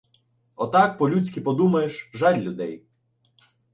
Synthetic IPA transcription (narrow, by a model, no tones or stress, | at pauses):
ɔt̪ɑk̚pɔlʲut͡sʲkʲipɔd̪umɐjeʃʒɑlʲlʲʊd̪ɛj